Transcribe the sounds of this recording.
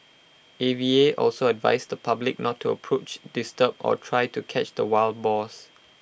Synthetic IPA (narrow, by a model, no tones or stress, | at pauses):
evieʔɔ̰lsoɛdva̰ɪsd̪əpʰablɪk̚nɔtʰːuə̰pʰɹot͡ʃdistəpɔ̰tʰɹaɪtukʰɛt͡ʃdəwal̚bɔs